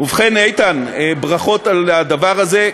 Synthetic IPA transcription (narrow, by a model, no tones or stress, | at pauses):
uvχenejt̪anebʁaχo̞t̪alad̪avaʁaze̞